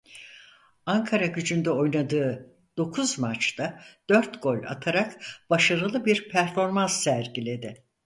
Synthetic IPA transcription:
aŋkʰaɾaɟyd͡ʒynd̪ɛo̞jnad̪ɯː | d̪̥o̞kʰuzmat͡ʃt̪ad̪̥øɾt̪ɡ̥o̞lʲa̰t̪ʰaɾakb̥aʃaɾɯlˠɯbiɾpʰæɾfo̞ɾmansːæɾɟilʲe̞d̪ɪ

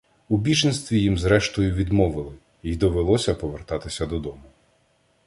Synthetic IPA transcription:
ubʲit͡ʃinst̪ʋʲijimzɾɛʃt̪ɔjʊʋʲid̪mɔʋɪlˠɪ | id̪ɔʋelˠɔsʲɐpɔʋert̪ɑt̪ɪsʲɐd̪ɔd̪ɔmʊ

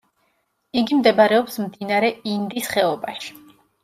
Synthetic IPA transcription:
iɡimd̪ɛbaɾɛɔpsmd̪inaɾɛind̪isχɛɔbaʃi̥

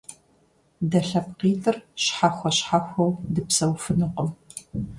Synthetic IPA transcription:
dɐɬɐpqiːtʰʼɨrɕħaxʷɐɕħaxʷɐwdɨpsɐwfɨnuqəm

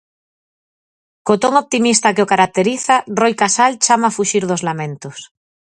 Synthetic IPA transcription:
kot̪oŋop̚t̪imist̪akeokaɾak̚t̪eɾiθarojkasalt͡ʃamaːfuʃiɾðozlamẽnt̪os

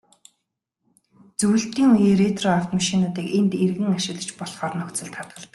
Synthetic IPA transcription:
t͡suwɵ̆ɬt̪iːŋujiːret̪rɔaw̥t̪maʃinʊːt̪iːkent̪erɣɘ̆ŋaʃɪ̆ɣɮə̆t͡ɕpɔɮχɔːrnɔkt͡sə̆ɮt̪ʰat̪̚ɢə̆ɮt̪ə̆k̚

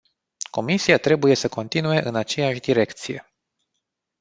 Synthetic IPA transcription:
ko̞misiat̪ɾe̞buje̞səko̞nt̪inue̞ʔɨnat͡ʃe̞jaʃʲd̪iɾe̞kt̪sije̞̰

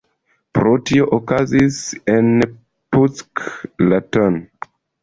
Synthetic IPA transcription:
pɾotioʔokazisen | pusklaton

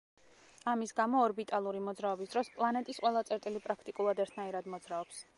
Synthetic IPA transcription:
amisɡamɔːɾbit̪ʼalˠuɾimɔd̪zɾaɔbisd̪ɾɔspʼlˠanɛt̪ʼisqʼwɛlˠat̪sʼɛɾt̪ʼilipʼɾakʰt̪ʼikʼulˠad̪ɛɾt̪ʰnaiɾad̪mɔd̪zɾaɔps

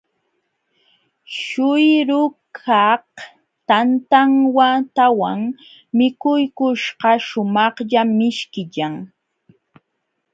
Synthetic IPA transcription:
ʃʊjɾʊkʰɑh | t̪ant̪aŋwat̪awaŋ | mɪkʊjkʊʃɢɑʃʊmɑχʎamɪʃkɪʎaŋ

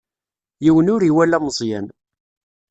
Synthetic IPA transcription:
jiwənʊɾiwælæməzˤjæn

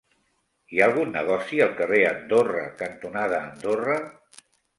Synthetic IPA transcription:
iaːlˠɣunːə̰ɣ̞ɔsiəlˠkəreənd̪orə̰kənt̪unað̞əːnd̪orə

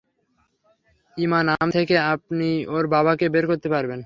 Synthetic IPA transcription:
imanamt̪ʰekeap̚nioɾbabakebeɾkoɾt̪epaɾben

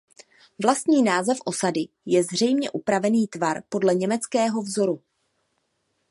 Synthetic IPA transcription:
vlast̪ɲiːnaːzɛfʔo̞sadɪ | jɛzr̝ɛjmɲɛʔupɾavɛniːt̪vaɾpo̞dlɛɲɛmɛt͡skɛːɦo̞vzo̞ɾu

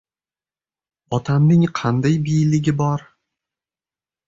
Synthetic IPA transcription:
ɒt̪ʰamnɪŋqʰɑnd̪ajbijlɪɡʲɪbɒɾ

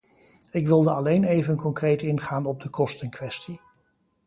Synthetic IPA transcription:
ɪkʋɪlˠdəɑlejnejvənkɔŋkrejtɪnχaːnɔb̚dəkɔstənkʋɛsti

